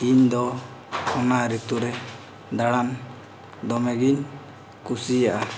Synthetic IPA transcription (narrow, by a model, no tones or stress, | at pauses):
iɲd̪ɔ | ɔnaʔɾit̪uɾɛ | d̪aɽan | d̪ɔmɛɡiɲ | kusijaʔa